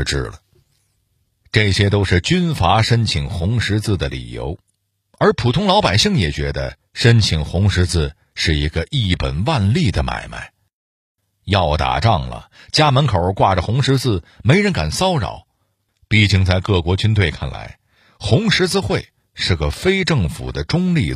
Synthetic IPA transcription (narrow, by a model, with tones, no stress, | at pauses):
ʈ͡ʂɻ̩˥˩lə˩ | ʈ͡ʂɤ˥˩ɕjɛ˥t̪o˥ʊʂɻ̩˥˩t͡ɕy˥nfa˧˥ʂə˥nt͡ɕʰi˨˩ŋxʊ˧˥ŋʂɻ̩˧˥t͡sɹ̩˥˩d̪ə˩lḭ˨˩jo̰˧˥ʊ | ə˞˧˥pʰu˨˩t̪ʰʊ˥ŋlɑ˧˥ʊpa˨˩ɪɕi˥˩ŋjɛ˨˩t͡ɕɥɛ˧˥d̪ə̰˧ | ʂə˥nt͡ɕʰi˨˩ŋxʊ˧˥ŋʂɻ̩˧˥t͡sɹ̩˥˧ | ʂɻ̩˥˩i˧˥ɡə˧ʔi˥˩pə˨˩nwa˥˧nli˥˩d̪ə˩ma̰˨˩ɪma̰˥˩ɪ | jɑ˥˩ʊt̪a̰˨˩ʈ͡ʂɑ˥˩ŋlə̰˩t͡ɕja˥mə˧˥nkʰo˨˩ʊ˥kwa˥˩ʈ͡ʂə˩xʊ˧˥ŋʂɻ̩˧˥t͡sɹ̩˥˩me˧˥ɪɻə˧˥nka̰˨˩nsɑ˥ʊɻɑ̰˨˩˦ʊ | pi˥˩t͡ɕi˥˧ŋt͡sa˥˧ɪkɤ˥˩kwɔ˧˥t͡ɕy˥nt̪we˥˧ɪkʰa˥˩nla̰˧˥ɪ | xʊ˧˥ŋʂɻ̩˧˥t͡sɹ̩˥˧xwe˥˧˩ɪ | ʂɻ̩˥˩ɡə˩fe˥ɪʈ͡ʂɤ˥˩ŋfṵ˨˩d̪ə˦ʈ͡ʂʊ˥ŋli˥˧